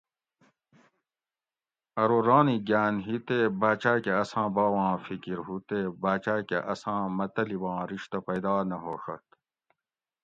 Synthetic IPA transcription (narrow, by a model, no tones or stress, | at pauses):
ɐɾoɾɑːniɡaːnɦit̪ebaːt͡ɕaːkeɐsãːbɑːwɑ̃ːfikiɾɦut̪ebaːt͡ɕaːkeʔɐsãːmɐt̪ɐlibɑ̃ːɾiʂt̪ɐpɐjd̪ɑːnɐɦoːʂɐt̪